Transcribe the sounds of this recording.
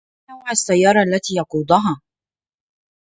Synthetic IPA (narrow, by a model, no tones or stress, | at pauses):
awʕasːajːɑːɾˤɑʔalːat̪iːjɑquːd̪ˤʊɦaː